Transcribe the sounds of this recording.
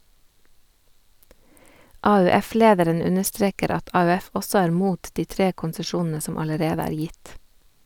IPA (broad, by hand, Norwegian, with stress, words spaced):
ɑʉˈɛˌfleːdəɾən ˈʉnəˌstɾeːkəɾ ˈɑt ɑʉˈɛf ˈɔsɔ ˈæːɾ ˈmuːt ˈdiː ˈtɾeː kʊnsəˈʃuːnn̩ə ˈsɔm ɑləˈɾeːdə ˈæːɾ ˈjɪt